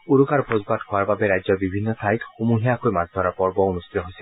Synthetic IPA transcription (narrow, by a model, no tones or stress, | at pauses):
uɾukaɹbʰʱɹozbathʊaɹbabɛɹajzɔbibʱinːɔsʰajtxomuɦiakojmazd̪ʱɔɹapɔɹbɔunustit̪ɔɦojsɛ